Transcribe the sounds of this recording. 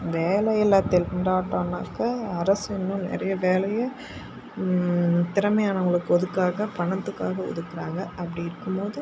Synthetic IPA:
ʋeːlɐjɛlaːt̪ːɪlɳɖaːʈːaːna̰ːkːɐɐɾɐsɪnːʊ̃nɛ̰ɾɐjɐʋeːlɐjɐ | t̪ɪɾɐmɐjaːnɐʊŋɡɐɭɯkːɯɔðɯkːaːɣɐpɐɳɐt̪ːɯkːaːɣɐʊ̰ðɯkːɪɾaːŋɡɐɐpːɐɽiɪɾɯkːɯmpoːðɯ

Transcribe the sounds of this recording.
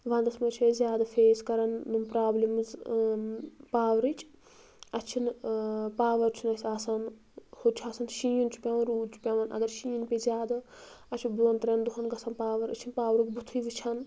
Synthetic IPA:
ʋɐ̃nd̪ɐsmɐt͡ʃʰezʲjaːd̪ɐfʰeːskɐɾɐnːumpɾaːblimɨz | paːʋɾɨt͡ʃʰʼ | ɐt͡ʃʰinpaːʋɐɾt͡ʃʰunɐsʲaːsaːn | hot͡ʃʰaːsɐːnʃĩːjunt͡ʃʰu̥pʲãːʋɐnɾuːdt͡ʃʰu̥pʲjaʋɐnʔɐ̰ɡɐɾʃiːnpezʲjaːd̪aɐt͡ʃʰibuɐnt̪ɾʲɐnd̪uɦɐnɡɐsɐnpaːʋɐɾɨ̰t͡ʃʰinpaːʋɾukʲbut̪ʰuiʋit͡ʃʰɐn

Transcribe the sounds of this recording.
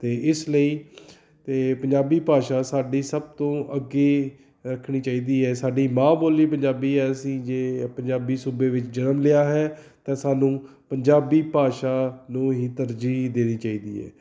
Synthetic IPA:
t̪eːʔɪsləiː | t̪eːpəɲd͡ʒaːbiːpaːʃaːsaːɖiːsəb̚t̪õːʔəɡeː | ɾəkʰɽ̃iːt͡ʃaːiːd̪iːɦɛːsaːɖiːmãːboːliːpəɲd͡ʒaːbiːɛːəsĩːd͡ʒeːpəɲd͡ʒaːbiːsuːbeːʋɪt͡ʃd͡ʒənəmlɪaːɦɛː | t̪ɛ̃ːsaːnũː | pəɲd͡ʒaːbiːpaːʃaːnũːɦiːt̪əɾd͡ʒiːd̪eːniːt͡ʃaːiːd̪ḭːɦɛ̰ː

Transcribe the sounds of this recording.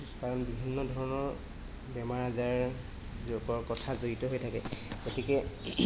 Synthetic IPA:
kaɹɔnbibʱinːɔdʱɔɹɔnɔɹ | bɛmaɹazaɹ | zoɡɔɹkɔtʰazoɹitɔɦojtʰakɛɡ̥otikɛ

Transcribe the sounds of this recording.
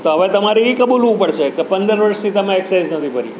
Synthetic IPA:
t̪oɦəʋet̪əmaɾiikəbulʋũpəɽt͡ʃʰekepənd̪əɾʋəɾst̪ʰit̪əmẽeksajd͡ʒnət̪ʰipəɾḭ

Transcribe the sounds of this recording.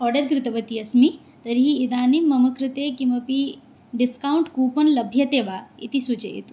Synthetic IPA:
ɔːɾɖɐɾkɾɪt̪ɐʋɐt̪iɐsmi | t̪ɐɾɦiːd̪aːnimːɐmɐkɾɪt̪eːkimɐpi | ɖɪskaːwɳʈkuːpɐnlɐbʱjɐt̪eːʋaḭt̪isut͡ʃɐ̰ḭt̪u̥

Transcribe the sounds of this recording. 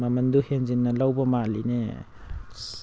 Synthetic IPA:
mamɐnd̪uhenzinːɐlawbɐmalinḛ

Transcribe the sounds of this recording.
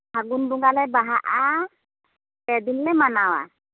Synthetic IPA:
haɡunbuŋɡalɛbaɦaʔa | pɛd̪inlɛmanawa̰

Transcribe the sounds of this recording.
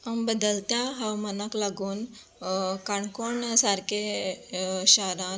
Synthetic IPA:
ɐmbəd̪əlt̪jaɦɐwmɐnaklaɡuːn | kaɳkoɳsaɾke | ɕaɾan

